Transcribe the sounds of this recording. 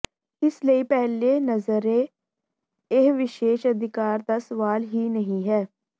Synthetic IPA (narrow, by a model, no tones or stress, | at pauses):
ɪsləiːpɛɦleːnəzəɾeː | ɪɦʋɪʃeːʃəd̪ɪkaːɾd̪aːsəʋaːlɦiːnəɦĩːɦɛː